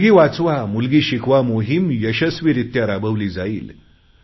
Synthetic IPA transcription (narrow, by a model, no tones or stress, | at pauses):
ɡiːʋat͡sʋamulɡiːɕikʰʋamoɦimjəɕəsʋiɾit̪jaɾabəʋliːd͡zaḭːl